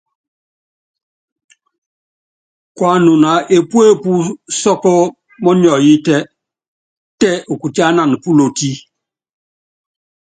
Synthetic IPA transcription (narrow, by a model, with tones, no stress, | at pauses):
kwa˦nu˨na˨ʔe˨pwe˦pu˦sɔ˦kɔ˦ | mɔ˦n˦ɔ˨ji˦tɛ˦ | tɛ˦u˨ku˨ta˦na˨n˨pu˦lo˨ti˦